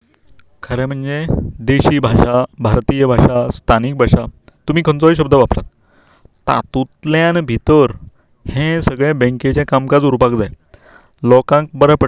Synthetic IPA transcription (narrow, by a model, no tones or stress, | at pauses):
kʰəɾẽm̤əɳd͡zed̪eɕiːbʱaɕabʱaɾt̪ijəbʱaʂast̪ʰanik̚bʱaʂat̪um̤iːkʰənt͡sɔiɕ̬əb̚d̪ʱəʋapɾa̰t̪ː | a̰t̪ut̪ljãnbʱit̪əɾ | hẽsəɡɭjabẽket͡ɕjãkamkad͡zuɾpakd͡zaj | lɔkãŋk̚bəɾəpə